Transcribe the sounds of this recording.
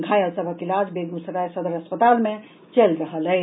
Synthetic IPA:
ɡʱajəsəbʱəkilad͡ʒbeɡ̪usɾajsəd̪əɾəspət̪alme | t͡ʃelɾəɦələj

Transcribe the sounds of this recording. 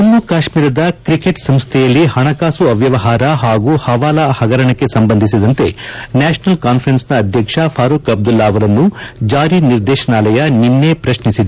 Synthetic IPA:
ɐnːukaːʃmiːɾɐd̪ɐkɾikeʈsɐmst̪ʰɛjɐlːihɐɳɐkaːsuɐʋjɐʋɐɦaːɾɐɦaːɡuhɐʋaːlɐhɐɡɐɾɐɳɐkːe̞sɐmbɐnd̪ʱisid̪ɐnt̪e̞naːʃɐnɐlkaːnpʰɐɾɐnsnɐːd̪ʱjɐkʂɐpʰaːɾuːkɐb̚d̪ulːaːɐʋɐɾɐnːud͡ʒaːɾiniɾd̪ɛːʃɐnaːlɐjɐninːe̞pɾɐʃnisid̪

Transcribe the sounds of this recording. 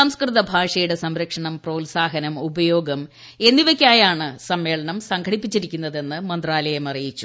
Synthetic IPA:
ɐmskrɨðɐbʱaːʂɐjuɽe̞sɐmɾɐkʂɐɳɐmprɐwlsaːɦɐnɐmubɐjo̞ːɡɐm | e̞nːiʋekʲːaːjaːɳɨsɐmːe̞ːɭɐɳɐmsɐŋɡʰʱɐɽipːit͡ɕːiɾikʲːunːɐðe̞nːɨmɐnd̪raːlɐjɐmɐrijit͡ɕːu̥

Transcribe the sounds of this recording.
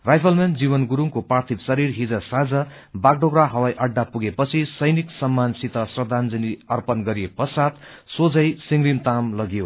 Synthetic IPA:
rajpʰʌlmend͡zibʌnɡuɾuŋkoprart̪ʰipsʌɾirɦid͡zʌsad͡zʌ | baɡ̚ɖoɡraɦʌwajʔʌɖːapuɡepʌt͡sʰisʌjniksʌmːansit̪ʰʌsrʌd̪ʱand͡zʌniʌrpʌnɡʌɾijepʌsad̪ | sod͡zʌjsiŋɡrimt̪amlʌɡijo

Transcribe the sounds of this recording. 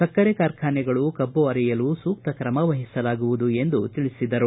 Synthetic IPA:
sɐkːɐɾɛkaːɾkʰaːnɛɡɐɭukɐbːoɐɾɛjɐlusuːk̚t̪ɐkɾɐmɐʋɐɦisɐlaːɡuʋud̪ue̞nd̪ut̪iɭisid̪ɐɾu

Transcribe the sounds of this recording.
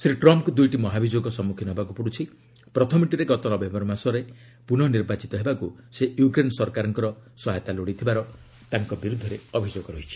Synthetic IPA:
sɾiʈɾɔmpkud̪ujʈimɔɦabʱid͡ʒoɡɔsɔmːukʰinɔɦebakupuɽut͡ʃʰi | pɾɔt̪ʰɔmiʈiɾeɡɔt̪ɔnɔbembɔɾɔmasɔɾe | punɔniɾbat͡ʃit̪ɔɦebakusejukɾensɔɾkaɾɔŋkɔɾɔsɔɦjt̪aloɽit̪ʰibaɾɔ | t̪aŋkɔbiɾud̪ʱːɔɾeɔbʱid͡ʒoɡɔɾɔɦit͡ʃʰi̥

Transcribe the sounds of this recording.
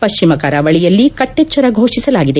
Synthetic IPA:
pɐʃt͡ʃimɐkaːɾaʋɐɭijɐlːikɐʈːet͡ʃːɐɾɐɡʱoːʂisɐlaːɡid̪e̞

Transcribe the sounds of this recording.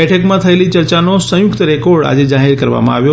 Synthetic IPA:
ɛʈʰəkmãt̪ʰəelit͡ʃəɾt͡ʃanosə̃jʊkt̪əɾekoɾɖa̰d͡ʒed͡ʒaɦiɾkəɾʋa̰mã̰a̰ʋjo

